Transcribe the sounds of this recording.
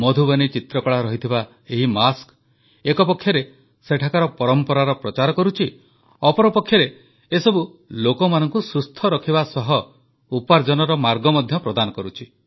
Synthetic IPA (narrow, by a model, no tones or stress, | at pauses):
mɔd̪ʱubanit͡ʃit̪ɾɔkɔɭaɾɔɦit̪ʰiba | eɦimask | ekɔpɔkʰːjɔɾe | seʈʰakaɾɔpɔɾɔmpɔɾaɾɔpɾɔt͡ʃaɾɔkɔɾut͡ʃʰi | ɔpɔɾɔpɔkʰːjɔɾeː | sɔbu | lokɔmanɔŋkusust̪ʰɔɾɔkʰibasɔɦɔ | upaɾd͡ʒɔnɔɾɔmaɾɡɔmɔd̪ʱjɔpɾɔd̪anɔkɔɾut͡ʃʰi